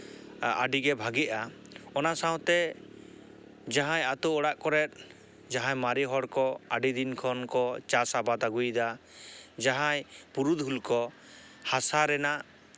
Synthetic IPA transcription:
a̰ɖiɡɛbʱaɡɛʔa | ɔnasaw̃t̪ɛ | d͡ʒaɦãjat̪ɔɔɽaʔkɔɾɛt̪̚ˀ | d͡ʒaɦãjmaɾiɦɔɽkɔaɖid̪inkʰɔnkɔt͡ʃasabat̪aɡujd̪a | d͡ʒaɦãjpuɾud̪ɦulkɔ | hasaɾɛnaʔ

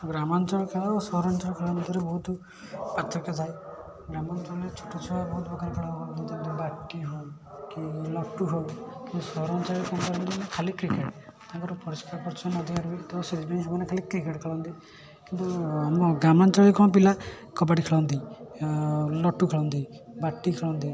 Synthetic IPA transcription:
ɡɾamɔnt͡ʃɔɭkʰelɔsɔɦɔɾɔnt͡ʃɔɭkʰelant̪iɾebɔɦut̪ | pat̪ʰːɾɔkjɔt̪ʰaj | ɡɾamɔnt͡ʃɔɭɾet͡ʃʰu̥ʈːut͡ʃʰɔbabɔɦut̪bɔɡʱaɾekʰɛɭaɦojɔnt̪ɔt̪ɔbakːiɦɔ̃ | kilɔʈuɦojkint̪usɔɦɔɾɔnt͡ʃaɭɾekɔnkɔɾɔnt̪imanekʰalikɾikeʈt̪ãŋkɔɾɔpɔɾiskaɾpɔɾt͡ʃʰɔnɔd̪ʱikaɾuit̪ɔsed̪ibanĩsɔmanekʰalikɾikeʈkʰeɭɔnt̪i | kint̪uamɡɾamant͡ʃaɭikɔnpila | kɔbaɽikʰeɭɔnt̪i | lɔʈukʰelɔwnt̪ibaʈːikʰelɔwnt̪i

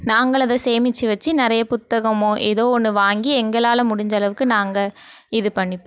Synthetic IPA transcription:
naːŋɡɐɭɐðɐseːmɪt͡ʃːɯʋɐt͡ʃːinɪɾɐjɐpʊt̪ːɐɣɐmõːʔeðoːɔnːɯʋaːŋɡiɛŋɡɐɭaːlɐmʊɽɪɲd͡ʒɐlɐʋɯkːɯnaːŋɡɐɪðɯpɐɳːɪpːe

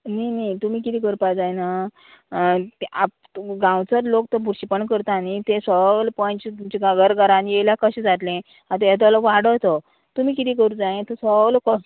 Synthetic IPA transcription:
ninit̪um̤iːk̬it̪ikəɾpad͡zajna | t̪ap̚ | ɡãwt͡səɾlokt̪əbuɾɕipəɳkəɾt̪aːnit̪esəlpə̃jt͡ɕt̪umt͡ɕiɡaɡəɾɡaɾãnjeljakəɕĩd͡zat̪lẽ | ãt̪ejat̪̬ləʋaɽət̪ə | t̪um̤iːkit̪ikəɾud͡zaẽt̪osəlkə

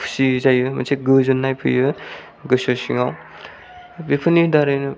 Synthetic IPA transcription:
pʰsizajɯmɐ̰sʰeɡɯzɯnːajpʰɯ̰jɯ | ɡɯsosiŋaw | bipʰɯnidaɾɯjnɯ

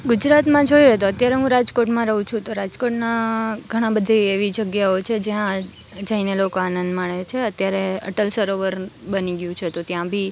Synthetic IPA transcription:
ɡud͡ʒɾat̪mãd͡ʒoijet̪oət̪jaɾeɦũɾad͡ʒkoʈmãɾəɦũt͡ʃʰũt̪oɾad͡ʒkoʈnaɡʱəɽ̃ãbəd̪ʱiːʋid͡ʒəɡjaot͡ʃʰed͡ʒjã | d͡ʒəinelokoanənd̪maɳet͡ʃʰeət̪jaɾeə̰ʈəlsəɾoʋəɾbəniɡjũt͡ʃʰet̪ot̪jãbʱi

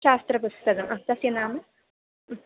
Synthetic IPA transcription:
ʃaːst̪ɾɐp̬ust̪ɐkɐmʔaːt̪ɐsjɐnaːmɐ

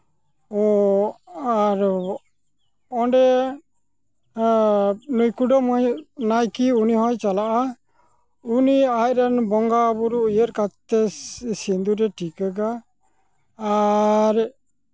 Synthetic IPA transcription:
ɔ | aɾ | ɔɳɖɛ | nujkuɖɔmɔjnajkiuniɦɔjt͡ʃalaʔa | uniajɾanbɔŋɡabuɾuujəɾkatt̪ɛsind̪uɾɛʈʰikəɡa | ɾ

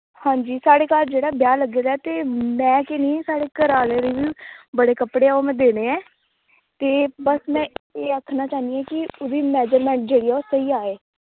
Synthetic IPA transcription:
hãːɲd͡ʒiːsaːɽeːkaːɾd͡ʒeːɽaːbjaːləɡeːd̪aːt̪eːmɛ̃ːkeniːsaːɽeːkəɾaːleːɾeːʋiːbəɽeːkəpɽeːaomɛ̃ːd̪eːneːɛ̃ː | t̪eːbəsmɛ̃ːeːəkʰnaːt͡ʃaːɦnd̪iɛ̃ːkɪʊd̪iːmɛːd͡ʒəɾmɛ̃ːɳʈ̚d͡ʒeːɽiːɛːoːsəiːaːeː

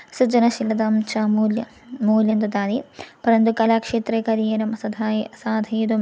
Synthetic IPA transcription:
sud͡ʒɐnɐʃilɐd̪aːmt͡ʃamuljɐ | muːljɐnd̪ut̪aːd̪ipɐɾɐnd̪ukɐlaːkʂeːt̪ɾeːkɐɾijɐnɐmɐsɐd̪ʱasaːd̪ʱɐjd̪um

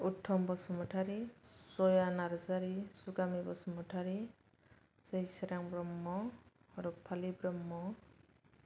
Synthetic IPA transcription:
uʈʰːɔmbɔsɔmɔʈʰaɾisɔjanaɾzaɾisuɡamibɔsɔmɔʈʰaɾi | sejseɾaŋbɾɔmːɔːɾupʰalibɾɔmːɔ

